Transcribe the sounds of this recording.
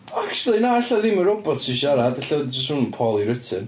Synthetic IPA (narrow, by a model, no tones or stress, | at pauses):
ɔakt͡ʃlˠinaːaɬaðɪməɾɔbɔtsiʃaɾadaɬədʊstunnpʰɔlˠiɾətʰɨn